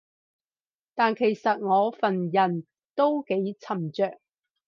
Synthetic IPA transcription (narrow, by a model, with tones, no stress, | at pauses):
t̪aː˨nkʰe˨˩jsɐ˨t̚ŋɔː˨˧fɐ˨njɐ˨˩n | t̪o˥wke˨˥jt͡sʰɐ˨˩mt͡ʃœː˨k̚